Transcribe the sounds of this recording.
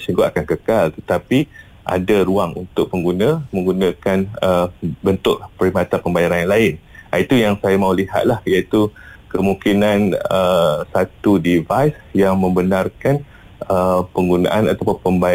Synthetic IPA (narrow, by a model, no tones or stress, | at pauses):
suŋɡʊakankəkalt̪ət̪api | ʔa̰daɾuaŋṵnt̪ʊk̚pəŋɡunãmə̃ŋɡunãkanəbənt̪ʊʔ̚pəɾimat̪anpəmbajaɾanjaŋlaɪnait̪ujaŋsajamãuliɦa̰t̪̚lahjait̪ukəmũŋkinãnəsat̪udivajsjaŋmə̃mbənarkan | əpəŋɡunã̰ʔanat̪apʊnpəmba